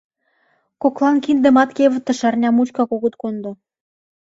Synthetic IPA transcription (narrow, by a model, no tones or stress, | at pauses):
koklˠɑnkind̪ɘ̆mɑt̪kʲevə̆t̪ːɤ̆ʃɑrnʲɑmut͡ɕkɑkoɣə̆t̪kond̪ŏ